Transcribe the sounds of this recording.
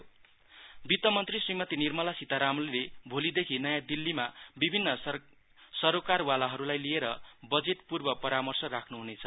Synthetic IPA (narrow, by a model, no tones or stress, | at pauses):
bit̪ʌmʌnt̪risimʌt̪inirmʌlasit̪aɾamlilebʱolid̪ekʰinʌjãd̪ilːimabibʱinːʌ | sʌɾokarwalaɦʌɾulajlieɾʌbʌd͡zeʈpurbʌpʌɾamʌrsʌrakʰnuɦunet͡sʰʌ̥